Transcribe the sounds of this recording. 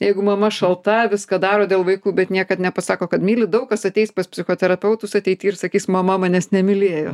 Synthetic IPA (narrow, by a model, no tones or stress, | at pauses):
jɛɪɡʊmɐmɐʃɐlˠt̪ɐʋʲɪskɑːd̪ɑːɾoːd̪ʲeːlˠʋɐɪkuːbʲɛt̪nʲiɛkɐt̪nʲɛpɐsɑːkoːkɐt̪mʲiːlʲɪd̪ɐʊk̚ɐsɐt̪ʲɛɪspɐspʲsʲɪxoːt̪ʲɛɾɐpʲɛʊt̪ʊsɐt̪ʲɛɪt̪ʲiːɪrsɐkʲiːsmɐmɐmɑːnʲɛsnʲɛmʲɪlʲeːjo̰ː